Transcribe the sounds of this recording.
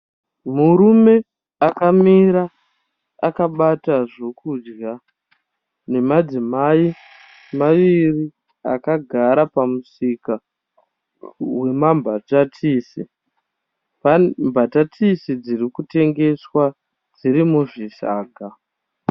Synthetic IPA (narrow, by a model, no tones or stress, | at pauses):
muɾume̞ | akamiɾa | a̰kaɓataʐo̞kuːd͡ʒɡa | ne̞mad͡zimai | maʋiri | a̰kaɡʱaɾapamusika | we̞mambʱatatʰiːsi | pambʱatatʰisid͡zirikute̞ŋɡe̞swa | d͡ziɾimuʐiʃa̰ːɡʱa